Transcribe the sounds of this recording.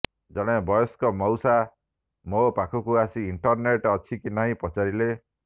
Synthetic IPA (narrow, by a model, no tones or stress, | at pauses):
d͡ʒɔɽ̃ebɔjɔskɔmɔwsa | mopakʰɔkuasiiɳʈɔɾneʈɔt͡ʃʰikinaɦĩpɔt͡ʃaɾile